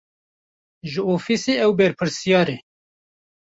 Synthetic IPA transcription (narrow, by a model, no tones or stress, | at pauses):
ʒɨoːfiseːʔɛwbɛɾpʰɨɾsijɑːɾe